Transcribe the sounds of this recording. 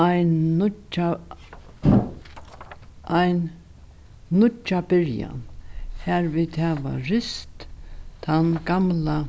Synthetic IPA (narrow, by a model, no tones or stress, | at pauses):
ajnʊt͡ʃa | ʔajn | nʊt͡ʃːabɪɾja̰nhɛɾviːd̪hɛːʋa̰ɾɪst̪t̪ʰanɡamla